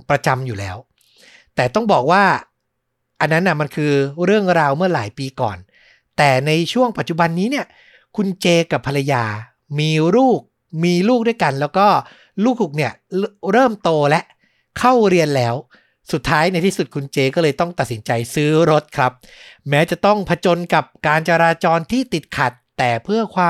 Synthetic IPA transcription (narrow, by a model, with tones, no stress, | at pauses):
pɾa˧t͡ɕa˧mjuː˨˩lɛː˦˥w | t̪ɛː˨˩t̪ɔ˥˩ŋbɔː˨˩k̚waː˥˩ | ʔa˧nːa˦˥nːa˧˥˩ma˧nkʰɯː˧ɾɯ˥˩əŋɾaː˧wmɯ˥˩ɐlaː˩˦jpiː˧kɔ̰ː˨˩n | t̪ɛː˨˩na˧jt͡ɕʰu˥˩əŋpa˨˩t͡ɕu˨˩ba˧nːiː˦˥ni˥˩ɐ | kʰu˧nt͡ɕeː˧ka˨˩pʰːa˧la˧jaː˧ | miː˧ɾuː˥˩k̚ | miː˧luː˥˩k̚du˥˩˨jka˧nlɛː˦˥wkɔː˥˩ | luː˥˩k̚hu˨˩k̚ni˥˩ɐɾɤː˥˩mt̪oː˧lɛ˦˥ʔ | kʰa˥˩wɾi˧ənlɛː˦˥w | su˨˩t̪ʰːaː˦˥jna˧jt̪ʰiː˥˩su˨˩t̪̚kʰu˧nt͡ɕeː˧kɔː˥˩lɤː˧jt̪ɔ˥˩ŋt̪a˨˩t̪̚si˩˦nt͡ɕa˧jsɯː˦˥ɾo˦˥t̪̚kʰɾa˦˥p̚mɛː˦˥t͡ɕa˨˩ʔt̪ɔ˥˩ŋpʰa˧t͡ɕo˧nka˨˩p̚kaː˧nt͡ɕa˧ɾaː˧t͡ɕɔː˧nt̪ʰiː˥˩t̪i˨˩t̪̚kʰa˨˩t̪ːɛː˨˩pʰɯ˥˩ɐkʰwaː˧